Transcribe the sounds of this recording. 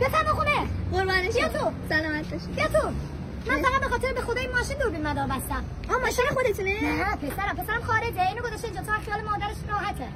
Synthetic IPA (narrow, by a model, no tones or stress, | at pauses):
besæɾmoxuneʁoɾvɒːneʃt̪ʰosælɒːmæt̪̚ʰdɒʃjet̪o | mænfæɣæd̪̚bexɒːt̪ʰeɾebexod̪ɒinmɒːʃind̪oɾbinmæd̪ɒːɾbæst̪æm | ɒːmɒːʃinexod̪et̪unenæpʰesæɾæmpʰesæɾæmxɒːɾed͡ʒeiːnoɡozɒʃt̪eiːnd͡ʒɒːt̪ʰoaxijɒːlemɒːd̪æɾeʃɾɒːɦæt̪ʰe